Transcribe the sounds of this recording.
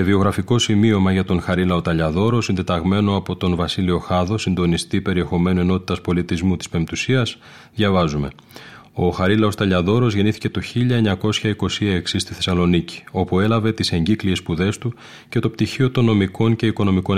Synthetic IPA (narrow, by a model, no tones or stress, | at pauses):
evio̞ɣɾɐfiko̞simio̞mɐʝɐt̪o̞nxɐɾilɐo̞t̪ɐʎɐðo̞ɾo̞sind̪et̪ɐɣme̞no̞ɐpo̞t̪o̞nvɐsilio̞xɐðo̞sind̪o̞nist̪ipe̞ɾie̞xo̞me̞nueno̞t̪i̥t̪ɐspo̞lit̪izmut̪i̥spe̞mt̪usiɐs | ðʝɐvɐzume̞̰ | o̞xɐɾilɐo̞st̪ɐʎɐðo̞ɾo̞zʝe̞niθi̥ce̞t̪o̞çiʎɐeɲɐko̞sçɐiko̞siɐeksist̪iθe̞sɐlo̞nici̥o̞pue̞lɐve̞t̪ise̞ɲɟiklie̞spuðe̞st̪u | ce̞t̪o̞pt̪içio̞t̪o̞no̞miko̞ɲce̞iko̞no̞miko̞n